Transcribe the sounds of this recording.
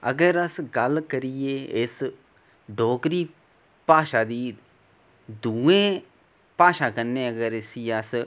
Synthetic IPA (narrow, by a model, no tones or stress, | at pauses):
ɐ̰ɡɐɾɐsɡalkɐɾijees | ɖoːkɾiː | paːʃad̪iː | d̪uẽː | paːʃakɐnːeɐɡɐɾesijasɨ